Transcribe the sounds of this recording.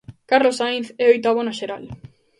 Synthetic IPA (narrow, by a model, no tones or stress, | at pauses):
kaɾlosajnθɛojt̪aβonaʃeɾa̰l